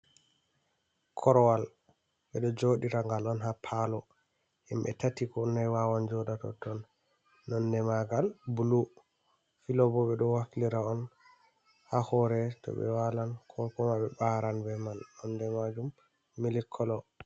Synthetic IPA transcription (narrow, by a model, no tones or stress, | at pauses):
kʰɔɾwal | ɓɛɗɔd͡ʒoɗiɾaŋɡalɔnɦapʰalɔ | ɛmbɛ̰tatikɔnajwawand͡ʒɔɗatɔ̰tɔnː | ɔndɛmaɡalbulu | filɔbɔɓɛɗɔwakliɾaɔn | hahɔɾɛtɔ̰ɓɛ̰walankʰɔlkɔmaɓɛbaɾanbɛmanɔndɛmad͡ʒumː | ilikʰːɔlɔ